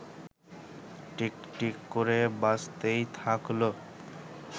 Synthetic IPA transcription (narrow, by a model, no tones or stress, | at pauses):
ʈikʈikːoɾebast̪ejt̪ʰaklo